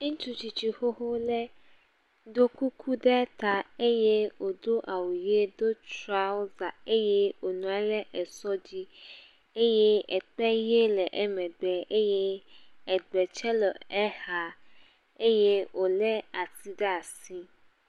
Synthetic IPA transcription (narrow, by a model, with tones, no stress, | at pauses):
ŋ̩̃˦t͡ʃu˦t͡ʃi˨t͡ɕi˨xo˦ɦo˦lɛ˦ | d̪o˦ku˦kʰu˦ɖɛ˦t̪a˨e˦je˦wo˨d̪o˦ʔa˨wu˨je˦d̪o˦t͡ʃɾa˦wo˦za˨e˦je˦wo˨nũ˨˦a˨lɛ˦ʔɛ˨sɔ˦d͡ʑi˦ | e˦je˦ɛ˨k͡pɛ˦je˦lɛ˨ʔɛ˦mɛ̃˨ɡ͡bɛ˨e˦je˦ɛ˨ɡ͡bɛ˨t͡ʃɛ˦lɔ˨ɛ˦ha˨ | e˦je˦wo˨lɛ˦a˨ti˦ɖɛ˦a˨si˦